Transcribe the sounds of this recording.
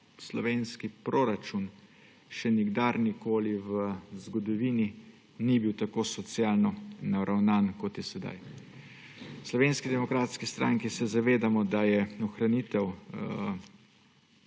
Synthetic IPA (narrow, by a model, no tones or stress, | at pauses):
slɔʋeːnskipɾoːɾat͡ʃun | ʃɛniɡd̪aɾnikoːliʋəzɡɔd̪ɔʋiːni | nibiwt̪akoːsɔt̪sjalnɔnaɾʔawnaːnkɔt̪jɛsɛd̪a̰j | slɔʋeːnskid̪ɛmɔkɾaːt̪skist̪ɾaŋkisɛzaʋeːd̪amɔd̪ajɛɔxɾanit̪ɛw